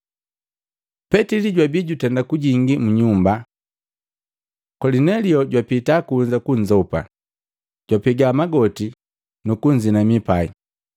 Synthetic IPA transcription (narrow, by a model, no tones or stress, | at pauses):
pɛtiliɟwabiɟutɛndakuɟiŋɡimuɲumba | kɔlinɛliɔɟwapitakuɲd͡ʒakuɲd͡ʒɔupa̰ | ɟ̥wapiɡamaɡɔti | nukuɲd͡ʒinamipai